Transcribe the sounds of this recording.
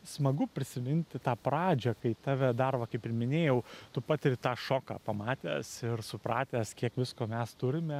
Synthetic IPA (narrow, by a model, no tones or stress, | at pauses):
smɐɡʊpʲɾʲɪsʲɪmʲɪnʲt̪ʲɪt̪ɑːpɾɑːd͡ʒʲɛkɐɪt̪ɑːʋʲɛd̪ɐrbɐkɐɪpɪrmʲɪnʲeːjɛʊt̪ʊpɑːt̪ʲɪɾʲɪt̪ɑːʃoːkɑ̰ːpɐmɑːt̪ʲḛːsɪrsʊpɾɑːt̪ʲæːskʲiɛkʋʲɪskoːmʲɛst̪ʊɾʲɪmʲɛ